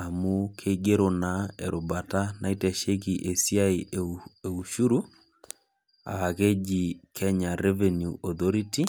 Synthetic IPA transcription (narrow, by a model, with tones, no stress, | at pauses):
a˨mu˦kʰe˦ɡe˦ɾo˨na˨ɛ˨ɾo˨ba˨ta˦na˦i˦tɛ˨ʃe˦ki˨ʔe˨si˦a˦i˨e˨u˨ʃu˦ɾu˦ | a̰˨a˨ke˦d͡ʒi˨kʰɛ˦ɲa˨ɾɛ˦vɛ˨njuʔɔ˨ðɔ˦ɾi˦ti˦